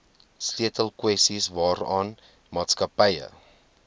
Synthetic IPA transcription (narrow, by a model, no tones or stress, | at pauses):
sliətəlˠkwɛsisvɑːɾɑːn | mɑːtskɐpəjə̰